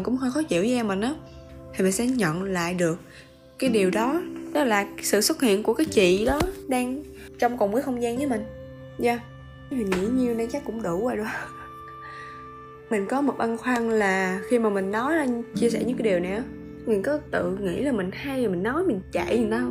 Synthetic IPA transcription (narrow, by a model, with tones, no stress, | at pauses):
kʊ̰˧˥ŋ͡mxə˧jxɔ˨˦t͡ɕḭ˧˨əwʔɛ˧mːï˨˩n̟ʔaː˨˦t̪ʰi˨˩mi˨˩nsɛ̰˧˥ɲə̰˧˨nla̰ː˧˨jɗɨ˨˩ək̚ː | aː˨˦jɗi˨˩əwɗɔ˨˦ɗɔ˨˦laː˨˩˦sɨ̰˧˨swə˦˥t̚hḭ˧˨ənku˧˩əkaː˨˦jt͡ɕḭ˧˨ɗɔ˨˦ɗaː˧ŋ | t͡ɕɔ˧wŋ͡mkɔ˨˩ŋ͡mkaː˨˦xə˧wŋ͡mzaː˧nɲəː˨˦mï˨˩ŋ̟ | zaː˧ | i˨˩ŋḭ˧˥ɲi˧əwnə˧jt͡ɕa˦˥kːʊ̰˧˥ŋ͡mɗu˧˩vaː˨˩jɗʊ˨˧˦ | mï˨˩ŋ̟kɔ˨˦mo˨˩t̚ʔə˧nxwa˧ŋlaː˨˩xi˧maː˨˩mï˨˩ŋ̟nɔ˨˦ja˧˩t͡ɕi˧əsɛ˧˩ɲɨ̰˧˥ŋkːaː˨˦ɗi˨˩wnɛ̰˧˨˩ | mï˨˩ŋ̟kɔ˨˦t̪ɨ̰˧˨ŋḭ˧˥laː˨˩mï˨˩ŋ̟ha˧jaː˨˩mï˨˩ŋ̟nɔ˨˦jmï˨˩ŋ̟t͡ɕa̰˧˨ji˨˩na˨˦